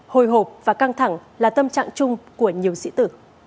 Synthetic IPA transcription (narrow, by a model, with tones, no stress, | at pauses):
ho˨˩jɦo˨˩p̚vaː˨˩ka˧ŋt̪ʰa˧˩ŋlaː˨˩t̪ə˧mt͡ɕa̰ː˧˨ŋt͡ɕʊ˧ŋ͡mku˧˩əɲi˨˩əwsḭ˧˥t̪ɨ˧˩˦